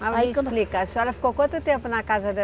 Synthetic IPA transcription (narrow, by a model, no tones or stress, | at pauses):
aplikɐsɛlɐfi̥kokwɐ̃nt̪ʊt̪ẽmpʊnɐkazɐd̪ɐ